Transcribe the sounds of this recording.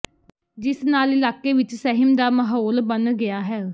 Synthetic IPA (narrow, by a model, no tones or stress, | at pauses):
d͡ʒɪsnaːlɪlaːkːeːʋɪt͡ʃsɛɦɪmd̪aːməɦoːlbənɡɪjaːɦɛː